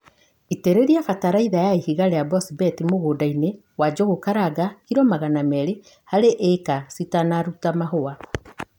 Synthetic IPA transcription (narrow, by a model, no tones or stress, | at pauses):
iteɾeɾiafataɾaiðajaihiɣaɾɛabɔsibɛtimoɣoːdaine | wad͡ʒɔɣokaɾaɡahiɾɔmaɣanamɛɾe | haɾeʔekasitanaɾutamaɦoa